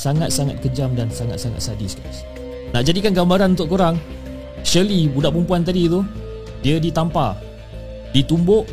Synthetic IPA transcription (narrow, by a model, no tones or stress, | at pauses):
saŋat̪̚saŋat̪̚kəd͡ʒamdansaŋa̰t̪̚saŋa̰t̪̚sadisɡas | naʔd͡ʒadikanɡambaɾanunt̪ʊʔkoɾaŋ | ʃəlibudaʔpumpuant̪adit̪u | diədit̪ampa | dit̪umbʊʔ